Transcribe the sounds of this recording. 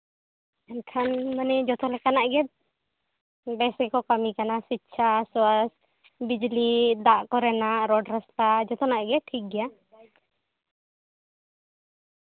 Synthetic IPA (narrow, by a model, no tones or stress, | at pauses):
ɛnkʰanmanɛd͡ʒɔt̪ɔlɛkanaʔɡɛd̪̚ | bɛsɡɛkɔkamikanasitːt͡ʃʰaswas | bid͡ʒlid̪aʔkɔɾɛnaʔɾɔɖɾast̪ad͡ʒɔt̪ɔnaʔɡɛʈʰik̚ɡɛja